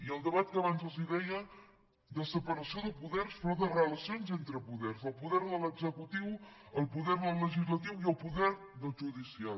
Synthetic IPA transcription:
iəlˠd̪əβat̪̚kəβanzəziðɛjə | d̪əsəpəɾəsioðəpuðɛrsfɾɔðərələsionzent̪ɾəpuðɛrzəlˠpuðɛɾðələɡzəkut̪iw | əlˠpuðɛɾðəlˠːəʒizlət̪iwiəlˠpuðɛɾ | ðəlˠʒuðisia

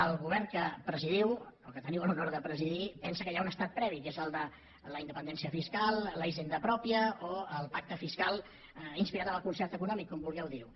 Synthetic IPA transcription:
əlˠɣuβɛrnkəpɾəziðiwokət̪əniwəlunoɾðəpɾəziðipɛnsəkəjaunəst̪at̪̚pɾɛβikezəlˠd̪ə | ləind̪əpənd̪ɛnsiəfiskalˠləiʒend̪əpɾɔpiəoəlˠpak̚t̪əfiskalˠ | inspiɾat̪əməlˠkunsɛrt̪əkunɔmikːɔmbulˠɣɛwðiw

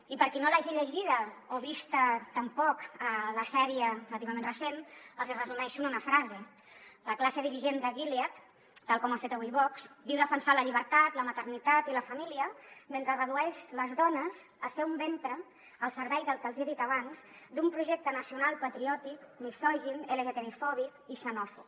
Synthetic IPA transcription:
ipəɾkinolaʒiʎəʒiðəoβist̪ət̪əmpɔkələsɛɾiələt̪iβəmenrəsenəlˠzrəzumɛʃununəfɾazə | ləklasəðiɾiʒend̪əɣiliat̪ | t̪ːalˠkɔmafet̪əβujβɔkzd̪iwðəfənsaləʎiβ̞əɾt̪at̪ləmət̪əɾnit̪at̪iləfəmiliəment̪ɾərəðuɛʃləzðɔnəz | əlsɛumbent̪ɾəː | lˠsəɾβɛjðəlˠkəlˠziaðit̪əβanz | d̪umpɾuʒɛk̚t̪ənəsiunalˠpət̪ɾiɔt̪ikmisɔʒineleʒət̪eɾifɔβikiʃənɔfu

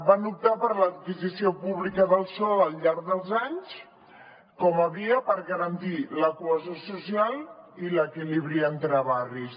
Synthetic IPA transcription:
banup̚t̪apəɾlət̪̚kizisiopuβlikəðəlˠsɔləlʎaɾɡðəlˠzaɲs | kɔməβiəpəɾɣəɾənt̪iləkuəzosusialˠiləkiliβɾiənt̪ɾəβaris

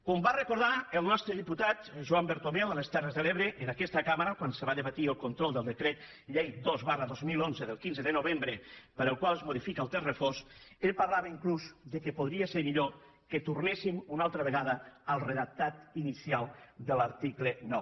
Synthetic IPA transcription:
kombarəkuɾðaəlˠnɔst̪ɾəðiput̪at̪ʒuambeɾt̪oβɛwələst̪ɛrəzðəleβɾəʔːnakɛst̪akaməɾakwansəβaðəβat̪iəlˠkont̪ɾɔlˠd̪əlˠd̪əkɾɛt̪̚ | ʎejd̪ozβarəðozmilˠonzəðəlˠkinzəðənoβ̞embɾəpəɾəlˠkwalˠəzmoðifikaəlˠt̪erəfosepaɾlaβaiŋkluzd̪əkəpoðɾiaseɾmiʎo | kət̪urnesimunalˠt̪ɾəβəɣaðəəlˠreðak̚t̪at̪inisialˠd̪ələɾt̪iklənɔw

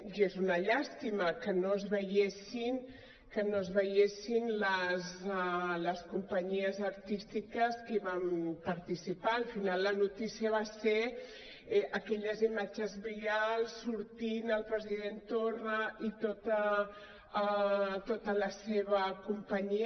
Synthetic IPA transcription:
ʒezunəʎast̪iməkənoəzβəjesin | kənoəzβəjesinləzləskumpəɲiəzəɾt̪ist̪ikəskəiβampəɾt̪isipaːlˠfinalːənut̪isiəβase | ʔəkɛʎəzimad͡ʒəzβialˠsːuɾt̪inəlˠpɾəziðent̪orəit̪ot̪ə | t̪ot̪ələseβəkumpəɲi

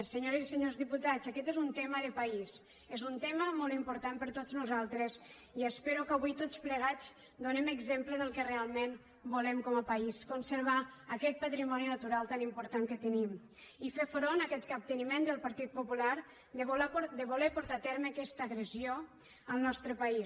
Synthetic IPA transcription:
səɲoɾəziseɲozðiput̪azəkɛt̪ezunt̪ɛməðəpais | ezunt̪ɛməmolˠt̪impuɾt̪ampəɾt̪oznuzalˠt̪ɾəz | iəspɛɾukəβ̞ujt̪ot͡spləɣ̞az | d̪unɛməɡzempləðəlˠkərealˠmen | bulɛmkɔməpəiskunsəɾβaəːkɛt̪̚pət̪ɾimɔninət̪uɾalˠt̪animpuɾt̪aŋkət̪ənim | ifefɾonəkɛt̪kap̚t̪ənimend̪əlˠpəɾt̪it̪̚pupulaɾ | d̪əβd̪əβulepuɾt̪at̪ɛɾməːkɛst̪əːɣɾəzio | əlˠnɔst̪ɾəpəi

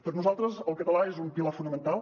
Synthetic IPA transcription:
pəɾnuzalˠt̪ɾəzəlˠkət̪əlaezumpilafunəmənt̪alˠ

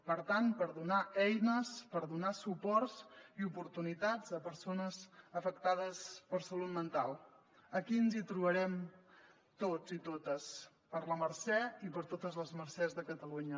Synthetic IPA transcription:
pəɾt̪anpəɾðunaɛjnəspəɾðunasupɔrziupuɾt̪unit̪ad͡zəpəɾsonəzəfəkt̪aðəspəɾsəlut̪̚mənt̪alˠ | əkiənzit̪ɾuβəɾɛm | t̪od͡zit̪ot̪əs | pəɾləməɾsɛipəɾt̪ot̪əzləzməɾsɛzðəkət̪əluɲə

